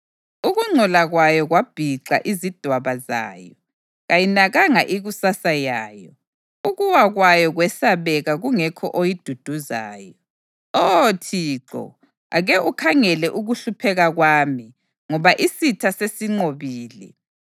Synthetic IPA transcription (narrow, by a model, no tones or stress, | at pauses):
uɣuŋ͡ǀʱɔlaɣwajɔɣwab̥ʱiǁa̰ʔizid̥ʱwaβaza̰ːjɔ | ɣajinaɣaŋaʔiɣusasajaːjɔ̰ | uɣuwaɣwajɔɣwɛsaβɛɣaɣuŋɛkʰɔ̰ʔojid̥ʱud̥ʱuza̰ːjɔɔ | otʰiːǁɔ̰ | a̰ɣɛʔukʰaŋɛlɛʔuɣuɬupʰɛɣaɣwaːmi | ŋɔβaʔisitʰasesiŋ͡ǀoβiːlɛ̰